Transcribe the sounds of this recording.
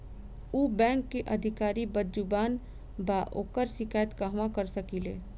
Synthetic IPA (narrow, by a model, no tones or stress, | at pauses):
uːbɛ̃ːŋkːeʔəd̪ʱɪkaːɾibəd͡ʒubaːn | baːʔoːkəɾʃɪkaːjət̪kaɦʋãkəɾsəkilḛː